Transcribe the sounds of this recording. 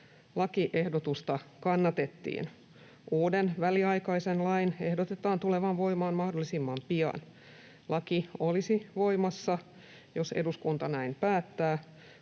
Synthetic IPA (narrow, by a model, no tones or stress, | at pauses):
lɑkiʔe̞hdot̪ust̪ɑkɑnːɑt̪et̪ːḭːn | uːdenʋæliɑjkɑisenlɑinehdot̪et̪ɑːnt̪uleʋɑnʋo̞imɑːnmɑhdolːˑisimːɑmpiɑ̰n | lɑkiolisiʋo̞imɑsːɑ | joseduskunt̪ɑnæimpæːt̪ːæː